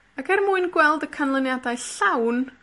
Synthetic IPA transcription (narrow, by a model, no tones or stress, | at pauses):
akʰɛrmuɨnɡwɛlˠdəkʰanlˠənjadajɬawn